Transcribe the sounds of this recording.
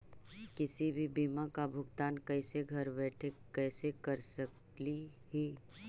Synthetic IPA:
kɪsibʱibiːmakabʱʊɡt̪aːnkɛːseɡʱɐɾbɛːʈʰekɛːsekɐɾsək | li | hiː

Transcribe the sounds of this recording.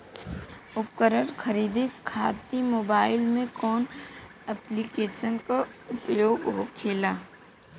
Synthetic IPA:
ʊpkəɾəɾkʰəɾiːd̪ekʰaːt̪imoːbaːɪlmẽkɔːn | ɛplikeːʃənkaʊpjoːɡɦokʰeːlaː

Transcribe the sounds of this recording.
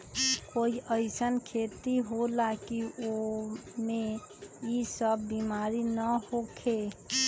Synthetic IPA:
koiʔəɪsənkʰet̪iɦolakiome | isəbːimaɾinəhokʰe

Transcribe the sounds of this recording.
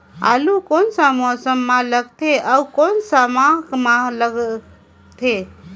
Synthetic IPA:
a̰lukonsamɔsəmːaləɡ̚t̪ʰeʔaukonsamakmaləɡ | t̪ʰe

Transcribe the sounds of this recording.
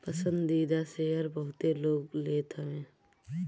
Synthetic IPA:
pəsə̃nd̪ːiːd̪aseɦəɾbəɦʊt̪eloːɡleːt̪ʰəʋẽː

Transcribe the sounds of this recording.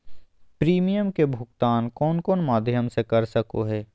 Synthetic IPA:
pɾiːmijəmkebʱʊɡt̪aːnkɔːnkɔːnmaːd̪ʱjəmsekɐɾsəkoɦɛː

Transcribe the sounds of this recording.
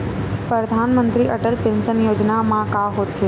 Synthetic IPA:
pɾəd̪ʱaːnmə̃nt̪ɾiʔɐʈəlpɪ̃nsənjoːd͡ʒnamãkaɦoːt̪ʰe

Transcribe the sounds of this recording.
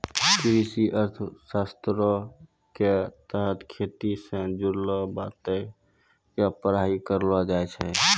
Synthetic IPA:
kɾisiʔəɾt̪ʰsast̪ɾo | ket̪əɦət̪ʰkʰet̪isẽd͡ʒuɾləbat̪e | japəɾaikəɾlʋad͡ʒaet͡ʃʰɛ

